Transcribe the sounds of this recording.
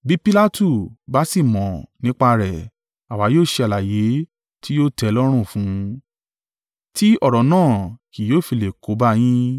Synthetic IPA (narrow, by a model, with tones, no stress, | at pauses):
bi˦pi˦la˦tu˦˨ba˦si˦˨mɔ̃˨nĩ˨˦k͡pa˧ɾɛ˨ | a˨wa˨˦joː˦˨ʃe˧a˨la˨je˨˦ | ti˦jo˦tɛ˧lɔ˦ɾ̃ũ˦˨fũ˨˦ | tʰi˦ɔ˦˨ɾɔ˨˦nãː˦˨ki˨joː˦˨fi˧le˨ko˨˦ba˦j̃ĩ˦